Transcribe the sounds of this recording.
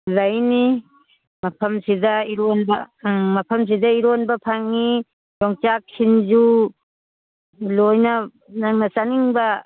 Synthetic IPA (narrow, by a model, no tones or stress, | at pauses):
lɐjni | mɐpʰɐmsidɐiɾonbɐ̰mɐpʰɐms̬idɐiɾonbɐpʰaŋːi | jɔŋt͡ʃak̚sinzu | lojnɐ | naŋnɐsaniŋbɐ